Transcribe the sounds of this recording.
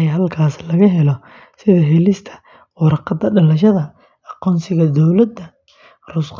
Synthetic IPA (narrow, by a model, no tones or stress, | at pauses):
jɦɐlkʰaːslɐɣɐɦɛlɔ | sɪðɐɦɛlɪst̪ʰɐ̥ | wɑɾɑqɑd̪ːɐɖɐlɐʃɐðɐ | ɑqɔːnsɪɣɐd̪ɔwlɐd̪ɐ | rʊsq